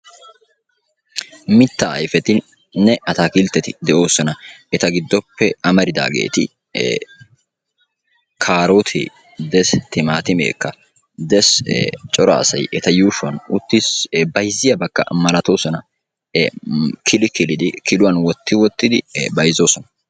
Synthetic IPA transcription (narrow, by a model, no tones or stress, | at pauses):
mɪt̪ːɐɐ̰jfɛt̪ɪ | nːɛɐt̪akɪlt̪ːɛt̪ɪd̪ɛʔo̞ːsɔnɐɛt̪ɐɡɪd̪ːɔpːɛɐmɐɾɪd̪a̰ːɡḛːt̪ɪ̰ | kʰaːɾot̪ʰḛː | d̪ɛst̪ɪmaːt̪ɪmḛːkːɐ | d̪ɛst͡ʃʼɔɾɐ̰ːsɐjʔɛt̪ɐjuːʃʊwɐnʊt̪ːɪsbɐjzɪjɐbɐkːɐ̰mɐlɐt̪o̞ːsɔnɐ | kʰɪlɪkɪlɪd̪ɪkɪlʊwɐnwɔt̪ːɪwɔt̪ːɪd̪ɪbɐjzoːsɔnɐ̥